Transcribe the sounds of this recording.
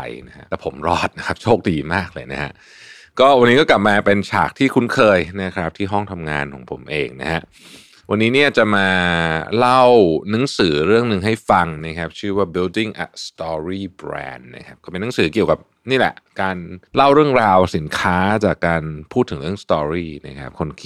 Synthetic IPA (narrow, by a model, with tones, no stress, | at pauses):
jna˥a̰˦˥ɛ˨˩pʰo˩˦mɾɔː˥˩t̪̚na˦˥kʰa˦˥p̚t͡ɕʰoː˥˩k̚diː˧maː˥˩k̚lɤː˧jna˦˥kʰa˦˥ʔ | kɔː˥˩wa˧nːi˦˥kɔ˥˩kla˨˩p̚maː˧pe˧nt͡ɕʰa̰ː˨˩k̚t̪ʰiː˥˩kʰu˦˥nkʰɤː˧jna˦˥kʰɾa˦˥p̚t̪ʰiː˥˩ɦɔ˥˩ŋt̪ʰa˧mŋa̰ː˧nkʰɔ̰ː˩˦ŋpʰo̰˩˦mʔḛː˧ŋna̰˦˥hʰa˦˥ʔ | wa˧nːiː˦˥ni˥˩ət͡ɕa˨˩ʔmaː˧la˥˩wna˨˦˥ŋsɯː˩˦ɾɯ˥˩əŋnɯ˨˩ŋɦa˥˩jfa˧ŋna˦˥kʰa˦˥p̚t͡ɕʰɯː˥˩waː˥˩bi˧wdi˥˩ŋʔa̰˨˩t̪st̪ɔː˧ɾiː˥˩bɾɛ̰ː˧nːa̰˦˥kʰa˦˥p̚kɔː˥˩pe˧nːa˨˦ŋsɯː˩˦ki˨˩əwka˨˩p̚ | niː˥˩lɛ̰˨˩ʔkaː˧nla˥˩wɾɯ˥˩əŋɾaː˧wsi˩˦nkʰaː˦˥t͡ɕaː˨˩kːaː˧npʰuː˥˩t̪ʰːɯ˩˦ŋɾɯ˥˩əŋst̪ɔː˧ɾiː˥˩na̰˦˥kʰɾa˦˥p̚kʰo˧nkʰ